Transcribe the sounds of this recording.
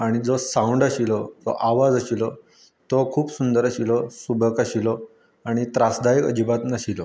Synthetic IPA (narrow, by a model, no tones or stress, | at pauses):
aɽ̃id͡zɔsãuɳɖaɕilɔd͡zɔ̰ʔaʋad͡zaɕilɔ | t̪ɔkʰuːpsund̪əɾaɕilɔsubʱəkaɕilɔ | aɽ̃it̪ɾasd̪ajikə̰d͡ʑibat̪naɕilɔ